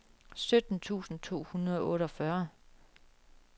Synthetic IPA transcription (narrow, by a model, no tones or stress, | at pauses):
sød̥n̩t͡sʰṵːsn̩t͡sʰo̝̰ːhunɐðˠɒ̽ʔɔ̽ːɾɒ̽fɶɐ